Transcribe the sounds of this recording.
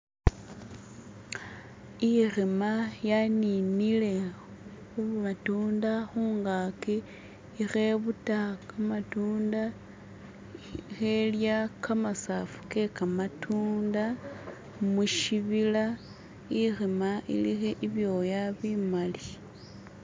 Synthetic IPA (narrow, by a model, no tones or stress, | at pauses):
irimajaninile̞ | xuatuːndaxuːŋɡaki | ixe̞βutakamatuːnda | xe̞ljakamasafu̥ke̞kamatʰuːnda | muʃiβila | irimaḭlixeʔiβjo̞jaβimali